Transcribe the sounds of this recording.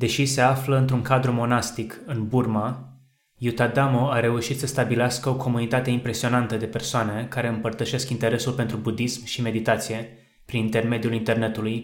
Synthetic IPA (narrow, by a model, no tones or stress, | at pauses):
d̪e̞ʃise̞afləɨnt̪ɾuŋkad̪ɾumo̞nast̪ikɨnburma | jut̪ad̪amoaɾe̞uʃit̪səst̪abileaskəokʰo̞munit̪at̪e̞impɾe̞sio̞nant̪əd̪e̞pe̞rsoane̞kaɾe̞ɨmpərt̪əʃe̞skint̪e̞ɾe̞sulpe̞nt̪ɾubud̪ismʃime̞d̪it̪at̪sije̞ | pɾinint̪e̞rme̞d̪iulint̪e̞rne̞t̪uluj